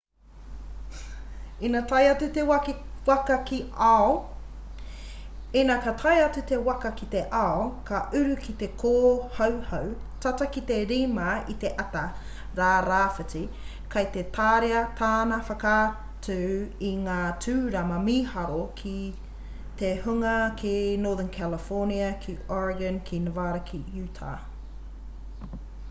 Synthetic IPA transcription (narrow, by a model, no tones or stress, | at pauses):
inatɐjɐtʉt̪ewɐkiwɐkɐkiɐo | enakɐtʰɐjɐt͡sʉt̪ewɐkɐkit̪eʔawkʰɐʔʉɾʉkʰit̪e̞kʰoːhɐwhɐw | tɐtɐkit̪eɾiːmɐit̪e̞ʔɐt̪ɐ | ɾaːɾaːfət͡si | kʰɐjt̪et̪ʰaːɾeɐt̪ʰaːnɐfɐkaː | tʰʉiŋaːtʰʉːɾɐmɐmiːhɐɾokʰi | t̪ehuŋɐkʰinoːðənkʰæləfɔːniɐkʰiɔɹɐɡɐnkʰinəvaːɾɐkʰijʉːtʰa̰